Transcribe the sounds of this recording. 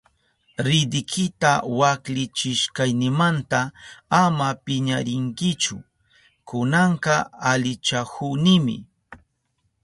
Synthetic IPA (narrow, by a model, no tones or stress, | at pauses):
ɾɪd̪ɪkʰɪt̪awaklɪt͡ʃɪʃkajnɪmant̪aamapɪɲaɾɪŋkɪt͡ʃʊ̰ | kʊnɑɴqɑalɪt͡ʃahʊnɪmɪ̰